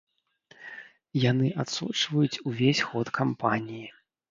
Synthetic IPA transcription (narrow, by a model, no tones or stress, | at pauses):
janɨʔat̪sṵt͡ʂvɐjut͡sʲuvʲesʲxɔt̪kʰampanʲiji